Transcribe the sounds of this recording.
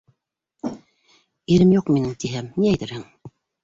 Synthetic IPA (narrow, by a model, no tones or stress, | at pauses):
iɾɘmjuqminɘŋt̪iɦæmniæjt̪ɘɾhɘŋ